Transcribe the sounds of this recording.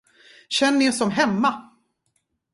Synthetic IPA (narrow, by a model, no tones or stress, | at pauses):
ɕɛnːənɪsɔmɦɛmːa